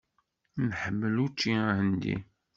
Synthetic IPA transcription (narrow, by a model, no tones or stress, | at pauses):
nħəmːəlut͡ʃːihənd̪ḭ